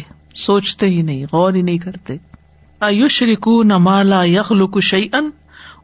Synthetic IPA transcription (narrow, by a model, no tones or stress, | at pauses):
soːt͡ʃt̪eɦinɐɦĩɣɔːɾɦinɐɦĩkɐɾt̪eː | ʔɐjʊʃɾɪkuːnɐmaːlaːjɐxlʊkʊʃɐjʔɐn